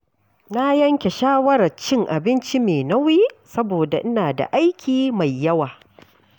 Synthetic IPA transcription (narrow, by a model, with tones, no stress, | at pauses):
na˦jɐ˦ŋkʲe˨ʃaː˦wɐ˦ɾɐ˨t͡ʃɪ˦˨ŋʔa̰˨bɪ˦nt͡ʃi˦meː˨nɐ˦wiː˦sɐ˦boː˨da̰˨ʔɪ˦naː˨da̰˨ʔa˦jkʲʰiː˨ma˨jːɐ˦waː˨